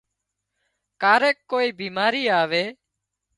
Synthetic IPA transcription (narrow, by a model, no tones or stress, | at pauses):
kaːɾeːkːoːiːbiːmaːɾiːaːʋeː